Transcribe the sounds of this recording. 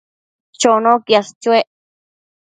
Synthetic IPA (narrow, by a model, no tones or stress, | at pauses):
t͡ʃonõkjast͡ʃueʔ